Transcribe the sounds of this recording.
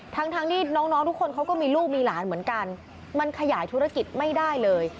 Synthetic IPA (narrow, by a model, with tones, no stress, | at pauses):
t̪ʰa˦˥ŋt̪ʰaː˧ŋt̪ʰiː˥˩nɔː˦˥ŋnɔː˦˥ŋt̪ʰu˦˥kʰːo˧nkʰa˦˥wkɔː˥˩miː˧luː˥˩p̚miː˧laː˩˦nmɯ˩˦ənka˧n | ma˧nkʰa˧jaː˩˦jt̪ʰu˦˥ɾa˧ki˨˩t̪̚ma˥˩jdaː˥˩jlɤː˧j